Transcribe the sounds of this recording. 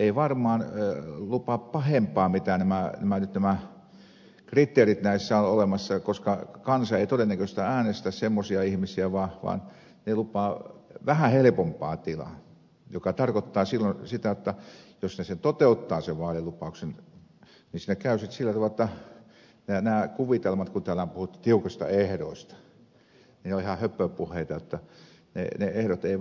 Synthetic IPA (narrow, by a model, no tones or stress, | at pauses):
eiʋɑrmɑːnlupɑppɑhempˑɑːmit̪ænæmænæmænyt̪næmæ | krit̪ːˑeːrit̪næisːæonolemɑsːɑkoskɑkɑnsɑeit̪odenːækøst̪ææːnest̪æssemːosiɑihmisiæʋɑːʋɑ̰ːn | nelupɑːʋæhæhelĕpompɑ̰ːt̪ilɑ̰ | jokɑt̪ɑrkot̪ːɑːsilːonsit̪æjot̪ːɑjosneset̪ot̪eut̪ːɑːseʋʋɑːlilupɑˑuksen | nisnekæysit̪silːæt̪ɑʋɑlĕt̪ːɑ | nænæːkuʋit̪elmɑt̪kunt̪æːlææmpuhut̪ːi̥t̪iukɑst̪ɑ̰ehdo̰ˑist̪ɑ̥ | nineolihɑhøpːˑøːpːuhˑeit̪ɑjot̪ːɑ | nḛneehɾot̪ei